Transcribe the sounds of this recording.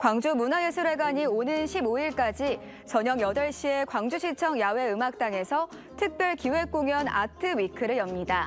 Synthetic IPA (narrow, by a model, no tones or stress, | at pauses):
kwaŋd͡ʑumunajɯsʰuɾwe̞ɡaɲionɯnɕʰiboiɭk͈ad͡ʑi | t͡ɕʌɲʌŋjʌdʌɭɕ͈ie̞kwaŋd͡ʑuɕʰit͡ɕʰʌŋjawe̞ɯmak̚t͈aŋe̞sʰʌ | tʰɯk̚p͈jʌɭkiwe̞k͈oŋjʌna̰tʰɯwikʰɯɾɯɭjʌmɲida